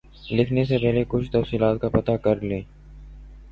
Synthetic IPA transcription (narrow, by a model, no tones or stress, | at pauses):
lɪkʰnesepɛɦlekʊt͡ʃʰt̪əfsiːlaːt̪̚kapət̪akəɾleː